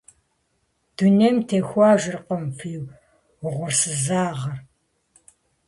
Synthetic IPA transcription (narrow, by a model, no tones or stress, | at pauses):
d̥unemtʰeːxʷɑːʒʷɪrqəmfiːw | wʊʁʷʊrsɨzaːʁɐr